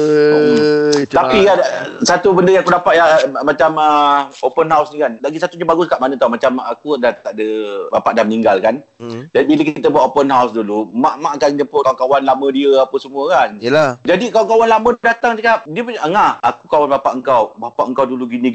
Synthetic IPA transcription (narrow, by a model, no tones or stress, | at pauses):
t̪apikasat̪ubəndəjãŋakudapat̪amat͡ʃaməopənɦawsnikanlaɡisat̪uɲabaɡʊskaʔmanə̃t̪awmat͡ʃamakudat̪aʔdəbapaʔdaməniŋɡalkan | d͡ʒadibiləkiit̪abuat̪opənɦawsdulumaʔmaʔkanɲəmpʊkawankawanlamə̃diəapəsəmũəkanad͡ʒadikawankawanlamə̃dat̪aŋt͡ʃəkap̚diəpəɲʔəŋahakukawanbapaʔəŋkawbapa̰ʔəŋkawduluɡini